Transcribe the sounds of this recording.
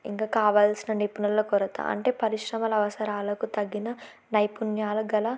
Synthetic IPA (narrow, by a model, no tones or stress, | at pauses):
ḭŋkaːkaːʋaːlsinɐnipunɐlːoːkɔɾɐt̪a̰ːɐ̰ɳʈe̞ːpɐɾiʃɾɐmɐlɐʋɐsɐɾaːlɐkut̪ɐɡːinɐ | nɐjpunjaːlɐɡɐlɐ